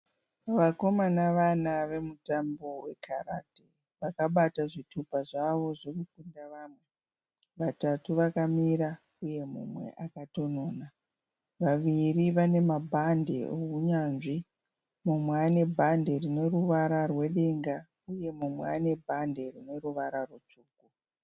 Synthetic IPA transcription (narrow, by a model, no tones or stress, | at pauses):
ʋako̞manaʋanaʋe̞mutambo̞we̞̰kʰara̰ti | ʋakaɓataʐitʰupaʐaʋo̞ʐokukundaʋamwe̞ | ʋatatuʋakamiɾa | uje̞mṵmwe̞̰ʔakato̞noːna | ʋaʋiriʋane̞mabʱande̞̰ouɲanʐi | mumweane̞bʱande̞rine̞ruʋaɾarwe̞ɗe̞ŋɡa | uje̞mumweane̞bʱande̞rine̞ɾuʋaɾarut͡ʂuːku